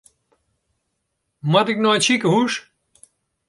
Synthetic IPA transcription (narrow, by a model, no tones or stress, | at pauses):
mɐd̪iknoːt͡ɕʰikɦuʂ